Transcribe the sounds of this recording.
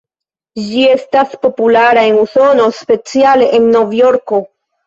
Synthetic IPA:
d͡ʒie̞staspo̞pulaɾae̞nuso̞no̞spe̞t͡siale̞ʔenːo̞vjo̞ɾko̞

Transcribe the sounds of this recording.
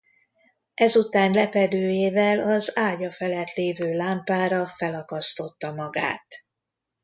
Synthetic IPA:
ɛzut̪aːnlɛpɛd̪øːjeːvɛlɒzaːɟɒfɛlɛt̪leːvøːlaːmpaːɾɒfɛlɒkɒst̪o̞t̪ːɒmɒɡa̰ːt̪

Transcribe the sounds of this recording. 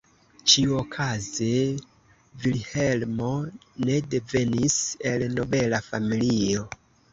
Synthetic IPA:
t͡ʃiuokʰaze | vilhe̞lmo̞ne̞de̞ve̞nise̞lno̞be̞lafamilio̞

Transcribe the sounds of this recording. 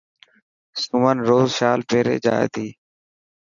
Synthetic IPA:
sumənɾoːzʃaːlpʰeːɾḛːd͡ʒa̰ːḛːt̪iː

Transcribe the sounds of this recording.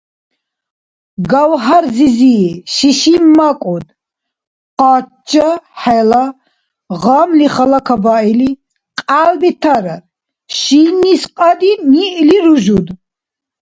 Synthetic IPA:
ɡawɦaɾziziːʃiʃimːakʼɔd̪ | qa | t͡ʃːaħɛla | ʁamliχalakʰabaili | qʼalbit̪ʰaɾaɾ | ʃinisqʼad̪iniʔliɾuʒud̪

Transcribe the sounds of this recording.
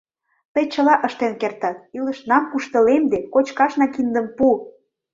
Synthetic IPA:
t̪əjt͡ɕə̆lɑʔəʃt̪enkert̪ɑt̪̚iləʃnɑmkuʃt̪ə̆lemd̪ekot͡ɕkɑʃnɑkind̪əmpu

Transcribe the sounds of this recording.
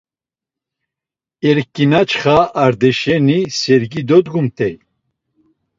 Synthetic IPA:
ɛɾkːinat͡ʃʰχaːɾd̪ɛʃɛnisɛɾɡid̪ɔd̪ɡumt̪ʰɛj

